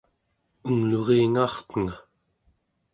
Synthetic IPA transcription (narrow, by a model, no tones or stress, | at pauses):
uŋloʁeːŋɑːχt̪əŋa